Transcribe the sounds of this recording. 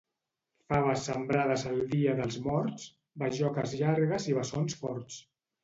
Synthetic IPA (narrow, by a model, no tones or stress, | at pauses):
faβəsəmbɾaðəzəlˠd̪iəðəlˠzmɔɾt͡s | bəʒɔkəzʎaɾɣəziβ̞əsonsfɔɾt̪s